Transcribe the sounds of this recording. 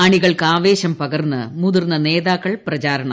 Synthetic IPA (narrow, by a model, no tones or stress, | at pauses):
ɐɳiɣɐɭkɨaːʋeːɕɐmpɐɣɐrnːɨmuðurnːɐne̞ːðaːkːɐɭprɐt͡ɕaːɾɐɳɐ